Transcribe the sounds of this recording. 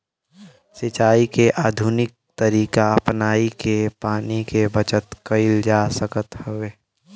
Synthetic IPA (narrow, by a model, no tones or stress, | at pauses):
sɪt͡ʃaːikeʔaːd̪ʱunɪk̚t̪əɾiːkaəpnaːikepaːnikebət͡ʃət̪kəɪld͡ʒaːsəkət̪həʋeː